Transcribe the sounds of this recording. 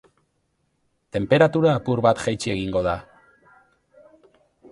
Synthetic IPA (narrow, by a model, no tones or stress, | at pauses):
t̪e̞mpe̞ɾat̪uɾaːpuɾβat̪ʝajt͡ʃie̞ɣiŋɡo̞ða